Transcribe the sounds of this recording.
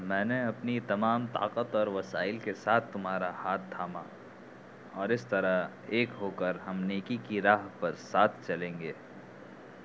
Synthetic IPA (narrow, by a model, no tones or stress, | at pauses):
mɛ̃ːneɐpnit̪ɐmaːmt̪a̰ːqət̪ɔːɾʋɐsaːɪlkesaːt̪ʰt̪ʊmɦaːɾahaːt̪̚d̪ʰaːma | ɔːɾɪst̪ɐɾa | eːkɦoːkəɾɦɐmneːkikiɾaːɦpɐɾsaːt̪ʰt͡ʃɐlẽːŋɡeː